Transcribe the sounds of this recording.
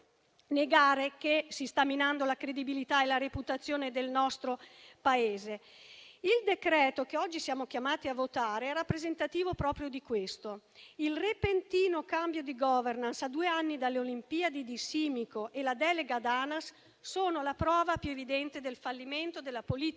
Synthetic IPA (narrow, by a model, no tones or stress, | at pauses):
neɡaːɾekesist̪amːinand̪olakɾed̪ibilit̪aelaɾeput̪at̪sːjoːned̪elnɔst̪ɾopaeːze | ild̪ekɾɛːt̪okeɔd͡ʒːisjaːmok̟jamaːt̪iavːot̪aːɾeɛrapːɾezent̪at̪iːvopɾɔːpɾjod̪ikwest̪o | ilrepent̪iːnokambjod̪iɡɔvernansad̪uːeanːid̪alːeolimpiːad̪id̪isiːmikoʔelad̪ɛːleɡad̪aːnasː | oːnolapɾɔːvapjuevid̪ɛnt̪ed̪elfalːiment̪od̪elːapolit̪